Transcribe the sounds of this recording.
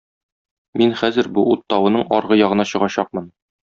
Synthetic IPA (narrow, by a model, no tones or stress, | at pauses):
minχæzɘɾbuut̪ːɑwɤ̆nɤɴɒ̰ɾʁɤjɒʁɤ̆nɑɕɤ̆ʁɑɕɑq̚mɤn